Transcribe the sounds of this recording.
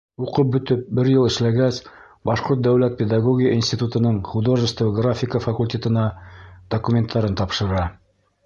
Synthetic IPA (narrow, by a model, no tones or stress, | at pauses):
uqɤp̚bɵ̆t̪ɵp̚bɘɾjɤlˠɘ̆ʃlæɡæs | bɑʃqoɾt̪̚d̪æwlæt̪̚pʲed̪aɡoɡʲɪjəinsʲtʲit̪ut̪ɤ̆nɤɴχud̪oʒə̆st̪vɡrafʲɪkəfɐkulʲtʲet̪ɤ̆nɑd̪̥okumʲent̪ʰːɑɾɤnt̪ɑpʃɤ̆ɾɑ